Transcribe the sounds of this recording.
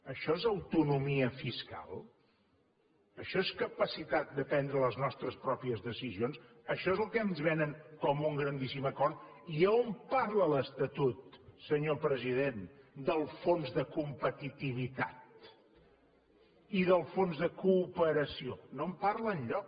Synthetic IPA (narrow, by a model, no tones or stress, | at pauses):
əʃɔezəwt̪unumiəfiska̰lˠ | əʃɔeskəpəsit̪at̪̚d̪əp̪ɛnd̪ɾələznɔst̪ɾəspɾɔpiəzðəsizions | əʃɔezəlˠkɛnzβɛnəŋkɔmuŋɡɾənd̪isiməkɔrt̪ | iəompaɾlələst̪ət̪ut̪səɲopɾəziðend̪əlˠfonzðəkumpət̪it̪iβ̞it̪at̪̚ | iðəlˠfonzðəkuːpəɾəsionomparləːnʎɔk